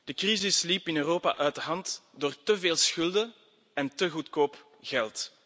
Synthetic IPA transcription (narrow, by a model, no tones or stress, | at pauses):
d̥əkrizɪslipɪnøːroːpa̰ʔœɥtəɦɑntdoːrtəveːlˠsxʏlˠdə | ɛntəɣutkoːp | ɣɛlˠt